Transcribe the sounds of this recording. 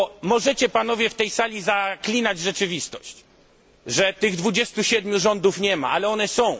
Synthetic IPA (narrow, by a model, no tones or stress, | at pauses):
mɔʐɛt͡ɕɛpanɔvʲjɛft̪ɛjsalʲizaklʲinad͡ʑʐɛt͡ʂɘvʲist̪ɔɕt͡ɕ | ʐɛt̪ɘɣd̪vud͡ʑɛst̪uɕɛd̪mʲjuʐɔnd̪ufɲɛma̰ʔalɛɔnɛsɔ̃w̃